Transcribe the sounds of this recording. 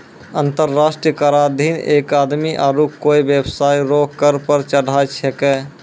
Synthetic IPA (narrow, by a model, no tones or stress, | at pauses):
ənt̪əɾːasʈɾijəkaɾad̪ʱinekad̪miʔaɾukoibjebsaijɾoɦkəɾpəɾt͡ʃəɽ̤ʱajt͡ʃʰɛkɛ